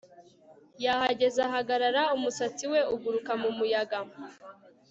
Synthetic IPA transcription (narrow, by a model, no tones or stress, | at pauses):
jahaɟe̞zaɦaɡaɾaɾaumusat͡siwe̞uɡuɾukamumujaɡa